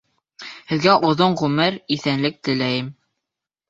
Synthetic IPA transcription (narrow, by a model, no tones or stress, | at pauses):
hɘ̆ðɡæʔuðoɴʁʉmɘɾiθænlɘk̚t̪ɘ̆læjɘm